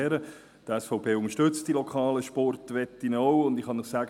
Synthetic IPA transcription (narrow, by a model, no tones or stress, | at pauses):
ɛːɾə | d̥əɛsfɔʊpʰeːʊŋəʃtʏt͡st̚d̥ilɔkʰχɑːləʃpɔrtʋɛt̪ːɪnɔʊʊndɪχhɑnəχsæːɡ